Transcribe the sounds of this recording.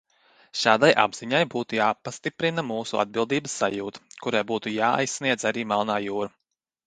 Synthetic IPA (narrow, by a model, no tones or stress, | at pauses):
ʃaːd̪ajʔa̰bz̥iɲajbuːt̪ujaːpast̪ipɾinamuːsuʔa̰d̪̚bilˠd̪iːbəsːajuːt̪kuɾajbuːt̪ujaːa̰jsːniɛd̪zaɾiːmalˠnaːjuːɾa